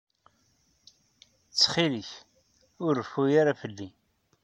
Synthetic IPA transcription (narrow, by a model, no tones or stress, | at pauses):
t͡sːχiliç | ʊɾəfːujaɾafəlːi